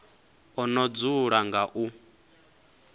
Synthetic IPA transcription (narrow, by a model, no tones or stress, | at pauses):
ɔnɔd͡zuɺaŋɡaʔu